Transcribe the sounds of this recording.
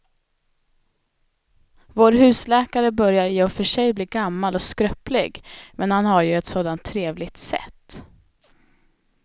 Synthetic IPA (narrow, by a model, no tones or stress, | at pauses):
voːɾɦʉ̟ːslɛːkaɾəbœɾjaɾjeːɔfœʂɛjbliːɡamːalɔskɾœplɪ̰ɡmɛnhanhaɾjɵɛt̪soːd̪ant̪ʰːɾeːvlɪɡ̚t̪sɛ̰t̪ː